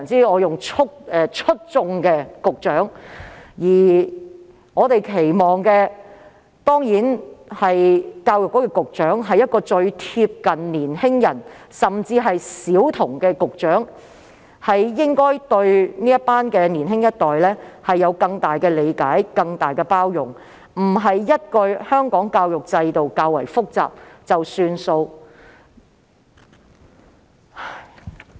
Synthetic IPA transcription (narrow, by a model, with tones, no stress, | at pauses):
nt͡siː˥ɔː˨˧jʊ˨ŋt͡ʃʰʊ˥k̚ɛː˨˧t͡ʃʰɵ˥t̚t͡sʊ˧ŋkɛː˧kʊ˨k̚t͡ʃœː˨˥ŋjiː˨˩ | ŋɔː˨˧t̪e˨jkʰe˨˩jmɔː˨˩ŋkɛː˧ | t̪ɔː˥ŋjiː˨˥nhɐ˨jkaː˧wjʊ˨kːɔː˨˥kɛː˧kʊ˨k̚t͡ʃœː˨˥ŋɦɐ˨jɐ˥t̚kɔː˧t͡ʃɵ˧ɥt̪ʰiː˧p̚kɐ˨nniː˨˩nhɪ˥ŋjɐ˨˩nsɐ˨˩mt͡siː˧ɦɐ˨jsiː˨˥wt̪ʰʊ˨˩ŋkɛː˧kʊ˨k̚t͡ʃœː˨˥ŋ | hɐ˨jːɪ˥ŋkɔː˥jt̪ɵ˧ɥniː˥jɐ˥t̚paː˥nkɛː˧niː˨˩nɦɪ˥ŋjɐ˥t̚t̪ɔː˨jlɛː˥hɐ˨jːɐ˨˧wkɐ˧ŋt̪aː˨˩jkɛː˧le˨˧jkaː˨˥jkɐ˧ŋt̪aː˨jkɛ˧paː˥wjʊ˨ŋ | m̩˨˩ɦɐ˨jːɐ˥t̚kɵ˧ɥhœː˥ŋkɔː˨˥ŋkaː˧wjʊ˨k̚t͡sɐ˧jt̪o˨wkaː˧wɐ̰˨˩jfʊ˥k̚t͡sa̰ː˨p̚t͡sɐ˨wsyː˧nso˧w